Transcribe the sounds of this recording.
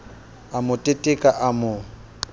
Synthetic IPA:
amʊtʼetʼɪkʼaʔamʊ

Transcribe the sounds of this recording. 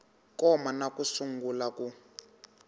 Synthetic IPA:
kɔmanakusuŋɡulaku

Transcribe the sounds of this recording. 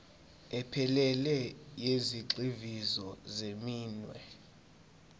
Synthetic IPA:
ɛpʰɛlɛlɛjeziǁivizɔzemiːnwɛ̰

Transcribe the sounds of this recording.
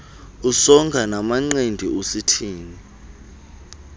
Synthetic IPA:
usɔŋɡʱanamaŋ͡ǀendʱiositʰiːni

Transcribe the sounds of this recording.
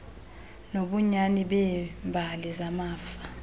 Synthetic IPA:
noɓuɲaniɓɛmbʱalizamaːfa

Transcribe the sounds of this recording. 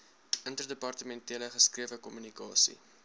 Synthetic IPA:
əntərdəpɑrtəmɛntiələχəskriəvəkɔmynikɑ̰ːsḭ

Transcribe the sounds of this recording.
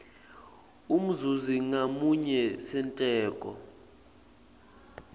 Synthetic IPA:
um̩zuziŋamuɲɛsɛntʼɛːkʼɔ̰

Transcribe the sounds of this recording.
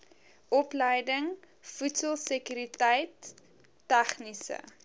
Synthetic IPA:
ʔɔpləjdəŋ | futsəlˠsəkyɾitəjtː | æχnisə̰

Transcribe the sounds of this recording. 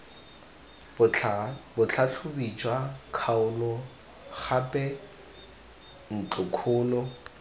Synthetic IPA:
bʊt͡ɬʰaɬʰʊbit͡ʃʼwakʰaʊlɔ | χapʼɛ | n̩t͡ɬʼʊkʰʊːlɔ

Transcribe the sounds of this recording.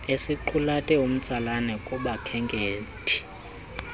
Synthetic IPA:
esiǃʰulatʼɛum̩t͡sʼalanɛkʼuɓakʰɛŋɡʱʼeːtʼʰi̥

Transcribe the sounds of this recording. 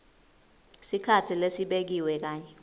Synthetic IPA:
sikʰatʰilesiɓek̬iwɛk̬aːɲɛ

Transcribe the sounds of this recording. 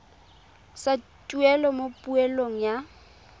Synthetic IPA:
sa | t͡ʃʼuɛlɔmopʼuɛloŋ̩ja

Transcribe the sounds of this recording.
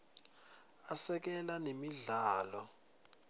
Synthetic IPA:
asɛk̬ɛlanemiɮaːlɔ

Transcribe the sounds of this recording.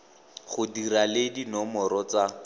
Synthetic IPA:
χʊdiɾaledinɔmɔɾɔt͡sa

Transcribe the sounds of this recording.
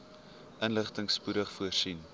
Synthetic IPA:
ʔənləχtəŋspuɾəχfuərsin

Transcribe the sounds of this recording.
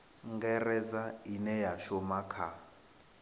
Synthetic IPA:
ŋɡɛrɛzainɛjaʃɔmakʰa

